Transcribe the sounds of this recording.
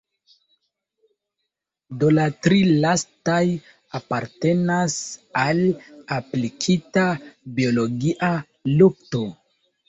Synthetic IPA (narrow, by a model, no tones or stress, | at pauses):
do̞latɾilastaj | apaɾte̞nasalaplikʰitabio̞lo̞ɡiʔa | luk̚to̞